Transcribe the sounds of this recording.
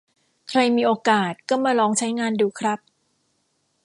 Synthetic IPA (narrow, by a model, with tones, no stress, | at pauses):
kʰɾa˧jmiː˧ʔoː˧kaː˨˩t̪̚kɔː˥˩maː˧lɔː˧ŋt͡ɕʰa˦˥jŋaː˧nduː˧˩kʰɾa˦˥p̚